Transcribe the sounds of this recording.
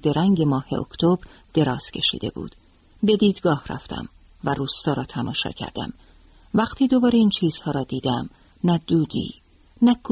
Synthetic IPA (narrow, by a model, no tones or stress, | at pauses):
d̪eɾæŋɟe̞mɒːhe̞̰ʔo̰kʰt̪ʰobɾ | d̪̥e̞ɾɒːz̥cʰe̞ʃḭːd̪e̞̰bṵːd̪̥ | be̞d̪iːd̪ɡɒːhræ̰ft̪ʰæ̰m | væɾuːst̪ɒːɾɒːt̪ʰæmɒ̰ːʃɒ̰ːcʰæ̰ɾd̪æ̰m | væqt̪ʰiːd̪obɒːɾeiːnt͡ʃʰiːz̥hɒːɾɒːd̪iːd̪æm | næd̪̥uːd̪ḭː | nækʰ